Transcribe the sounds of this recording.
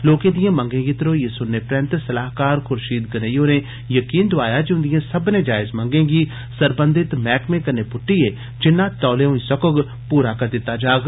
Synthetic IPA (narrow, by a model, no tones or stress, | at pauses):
loːkẽd̪ijãmɐ̃ŋɡẽːŋɡit̪ɪɾojesʊnːepɾɛ̃nt̪sɐlaːɦkaːɾxʰʊɾʃiːd̪̚ɡɐnəjõne | jɐkiːnd̪ʊaːjad͡ʒiʊ̃nd̪ijãsɐbnẽd͡ʒaːɪzmɐ̃ŋɡẽːŋɡi | sɐɾbə̃nd̪ɪt̪mɛːkmẽkɐɾnepʊʈːieː | d͡ʒɪnːat̪ɔːleõĩsɐkoɡ | puːɾakɐɾd̪ɪt̪ːad͡ʒaːɡ